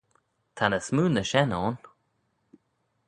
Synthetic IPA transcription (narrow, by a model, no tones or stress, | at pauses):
t̪ʰanəsmuːnəʃɛnɔːn